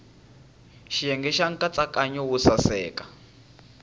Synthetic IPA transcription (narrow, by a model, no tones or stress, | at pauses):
ʃijɛŋɡɛʃaŋ̩kʼat͡sʼakʼaɲɔwusasɛːkḁ